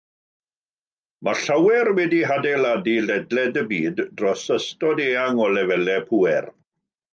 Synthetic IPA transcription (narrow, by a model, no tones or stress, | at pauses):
maɬawɛrwɛdiɦadejladilɛdlɛdəbiːdrɔsəstɔdeːaŋɔlɛvɛlɛpʰuːɛr